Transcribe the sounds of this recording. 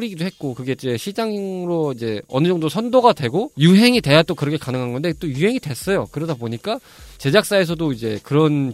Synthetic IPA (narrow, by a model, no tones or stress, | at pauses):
ɾiɡidoɦe̞t̚k͈okɯɡe̞d͡ʑe̞ɕʰid͡ʑaŋŋɾoid͡ʑe̞ʌnɯd͡ʑʌŋdosʰʌndoɡadwe̞ɡojuɦe̞ŋidwe̞jat͈okɯɾʌkʰe̞kanɯŋɦanɡʌndet͈ojuɦe̞ŋidwe̞s͈ʌjo̰kɯɾʌdaboɲik͈a | t͡ɕe̞d͡ʑak̚s͈ae̞sʰʌdoid͡ʑe̞kɯɾʌn